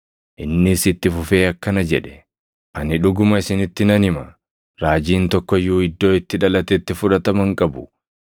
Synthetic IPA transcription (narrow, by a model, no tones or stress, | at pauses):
ʔɪnːɪsɪt̪ːɪfʊfe̞ːɐkːɐnɐd͡ʒɛᶑɛ̥ | ʔɐnɪᶑʊɡʊmɐɪsɪnɪt̪ːɪnɐnɪmɐ | ɾaːd͡ʒiːnt̪ɔkːɔjuːɪd̪ːo̞ːɪt̪ːɪᶑɐlɐt̪ɛt̪ːɪfʊᶑɐt̪ɐmɐŋkʼɐbʊ